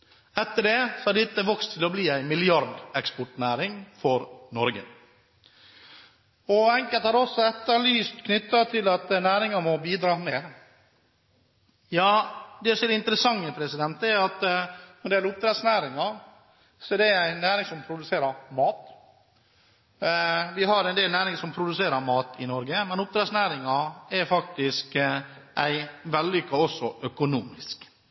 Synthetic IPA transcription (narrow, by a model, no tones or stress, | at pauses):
ɛt̪ːəɖɛsɔæɖ̪ɪt̪ːəʋɔkst̪ʰːɪlɔbliːæɪnmɪlɪɑɾɖ̪ɛkspɔʈnæːɾɪŋfɔɾnɔɾɡə̰ | ɔɛŋkəlt̪hɑːɾɔsːɔɛt̪ːəɾɭyːst̪kʰnʏt̪ːɑt̪ʰɪlɑt̪næːɾɪŋɑmɔbiːd̪ɾɑːmeːɾ | jɑːd̪ɛsɔmɛɾɪnt̪əɾəsɑŋːəpʰɾɛsɪd̪ɛnt̪ɛæɾɑt̪ɛnd̪ɛlʊp̚t̪ɾɛd̪snæːɾɪŋɑ | sɔɛd̪ɛæɾæɪnːæːɾɪŋsɔmpʰɾʊd̪ʉseːɾəɾmɑːt̪ | ʋɪɦɑɾɛnd̪eːlnæːɾɪŋsɔmpʰɾʊd̪ʉseːɾəɾmɑːt̪ɪnɔɾɡəmɛnʊp̚t̪ɾɛd̪snæːɾɪŋɑɛɾfɑk̚t̪ɪskʔæɪʋɛlːʏkːɑɔsːɔʔœkʊnuːmɪsk